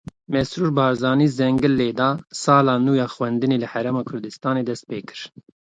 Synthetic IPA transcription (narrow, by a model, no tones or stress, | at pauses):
mɛsɾuːɾbɑːɾzɑːniːzɛŋɡɨlːeːd̪ɑːsɑːlɑːnuːjɑːxwɛnd̪ɨneːlɨhɛɾɛːmɑːkʰʊɾd̪ɨst̪ɑːneːd̪ɛst̪̚peːkɨ̥ɾ̥